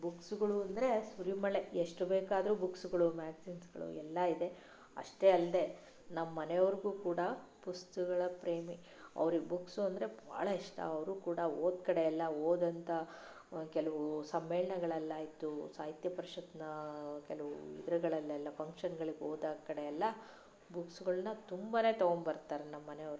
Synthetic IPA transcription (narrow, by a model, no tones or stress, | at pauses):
buksuɡɐɭuɐnd̪ɐɾe̞suɾimɐɭeeʂʈubeːkaːd̪ɐɾubuksuɡɐɭumaːɡsiːnsɡɐɭṵɛlːɐid̪e̞ | ɐ̰ʂʈe̞ɐld̪e̞ | nɐmɐːɐneʋɐɾiɡuːkuːɽɐpust̪ɐɡɐɭɐpɾeːmi | ɐ̰ʋɐɾiɡbuksuɐnd̪ɐɾe̞bʱa̰ːɭɐiʂʈɐ̰ɐʋɐɾuːkuːɽɐoːd̪kɐɽeɛlːɐoːd̪ɐnt̪ʰɐ | kɛlɐʋusɐmːeːɭɐɳɐɡɐɭɐɛlːaːjit̪usaːɦit̪jɐpɐɾiʃɐt̪nɐkɛlɐʋuḭd̪ɾɐɡɐɭɐlːɛlːɐpʰɐŋkʂɐnɡɐɭiɡeoːd̪ɐkɐɽeɛlːɐ | buksuɡɐɭɐnːɐt̪umbane̞ːt̪ɐɡoɳɖbɐɾt̪aːɾenɐmːɐnejɐʋɐɾu